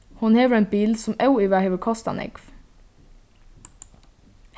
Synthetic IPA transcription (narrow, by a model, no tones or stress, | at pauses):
hʊnheːʋəɾɛːnbiːlsɔmœʊiːʋæheːʋəkʰɔst̪ɑ̰nʔɪ̰ɡf